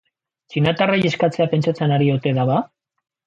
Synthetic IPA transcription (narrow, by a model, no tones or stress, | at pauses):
t͡ʃinat̪arajeskat͡se̞ape̞nt͡ʃat͡senaɾiot̪e̞ðaβa